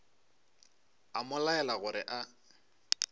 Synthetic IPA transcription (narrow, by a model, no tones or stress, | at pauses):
amʊlaɛlaɣʊɾɪ̰ʔa